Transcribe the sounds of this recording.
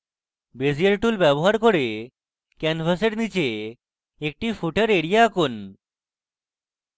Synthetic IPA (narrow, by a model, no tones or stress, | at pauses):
bed͡ʑieɾʈulbɛboɦaɾkoɾe | kɛnfʰaseɾnit͡ɕe | ek̚ʈifʰuʈəɾeɽijaːkun